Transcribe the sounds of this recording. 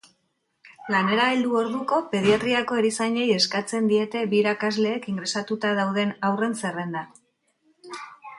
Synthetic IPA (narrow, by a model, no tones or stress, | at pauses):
lane̞ɾaeld̪uo̞ɾðuko̞pe̞ð̞iat̪ɾiako̞eɾisaɲe̞je̞skat͡se̞nd̪ie̞t̪e̞βiːɾakazle̞ːkiŋɡɾe̞sat̪ut̪aðawð̞e̞nawre̞nse̞re̞nd̪a